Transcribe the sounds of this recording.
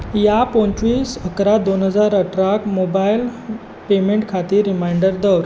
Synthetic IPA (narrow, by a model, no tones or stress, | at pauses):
japõnt͡ɕʋiːsəkɾad̪onɦəd͡zaɾəʈɾakmobajl | pemeɳʈkʰat̪iːɾːimajɳɖəɾd̪ɔwɾ